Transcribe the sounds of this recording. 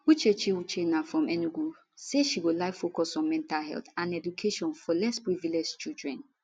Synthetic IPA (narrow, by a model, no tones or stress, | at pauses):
wut͡ʃet͡ʃiwut͡ʃenafɹɔ̃mɛniɡu | seʃiɡolaɪfokɔsɔ̃nmɛ̃ntalɦɛ̰lθãnɛdukʰeʃɔ̃nfɔlɛspɹivilɛd͡ʒt͡ʃidɹɛ̃n